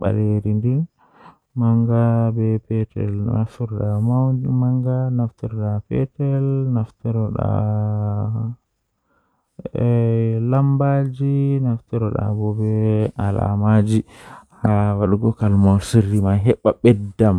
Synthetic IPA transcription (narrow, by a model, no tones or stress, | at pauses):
ɓa̰leɾindin | maŋɡabɛpɛtɛ̰latuɾɗamamaŋɡanaftuɾɗapɛtɛlnaftɔɾɔɗa̰ | ɛlambad͡ʒinaftɔɾɔɗa̰bɔbɛala̰mad͡ʒihawaɗuɡɔkalmawsiɾːimaɦɛɓːaɓɛdːam